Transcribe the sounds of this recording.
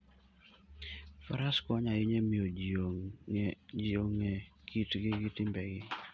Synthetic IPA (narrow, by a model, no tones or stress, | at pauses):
fa̰ɾaskɔɲaɪɲemioo | d͡ʒioŋekitɡɪɡitɪmbɛɡɪ